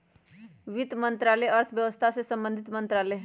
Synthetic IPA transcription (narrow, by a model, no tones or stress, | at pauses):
ʋɪt̪mə̃nt̪ɾaːlɛɐɾt̪ʰʋjɐʋəst̪ʰasesɐ̃mbə̃nd̪ʱɪt̪mə̃nt̪ɾaːle